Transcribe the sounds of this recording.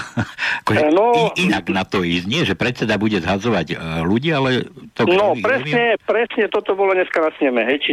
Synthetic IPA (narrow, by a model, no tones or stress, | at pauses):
akɔʒɛnɔiinaɡnat̪ɔiːzɲɪɛʒɛpɾɛt̪t͡sɛd̪abuɟɛzɦazɔʋaɟluɟiːalɛt̪ɔɡnɔpɾɛsɲɛpɾɛsɲɛt̪ɔt̪ɔbɔlɔɲɛskanasɲɛmɛɦɛjt͡ʃi